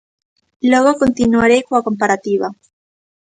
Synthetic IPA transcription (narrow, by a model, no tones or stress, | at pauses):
lweɣoko̞nt̪inuaɾejkoako̞mpaɾat̪iβa